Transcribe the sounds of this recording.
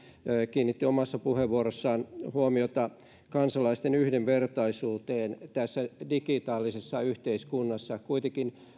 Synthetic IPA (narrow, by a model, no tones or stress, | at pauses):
kiːnːit̪ːiomɑsːɑpuheʋʋuoɾosːɑːnhuomiot̪ɑ | kɑnsɑlɑist̪enyhdeʋʋert̪ɑisuːt̪eːnt̪æsːædikit̪ɑːlːisesːɑyht̪eiskunːɑsːɑkuit̪ekin